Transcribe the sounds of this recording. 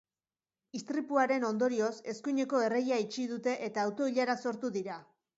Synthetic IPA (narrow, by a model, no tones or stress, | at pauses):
ist̪ɾipuaɾe̞no̞nd̪o̞ɾio̞se̞skuɲe̞ko̞e̞rejait͡ʃiðut̪e̞ʔet̪aːwt̪o̞iʎaɾaso̞ɾt̪uðiɾa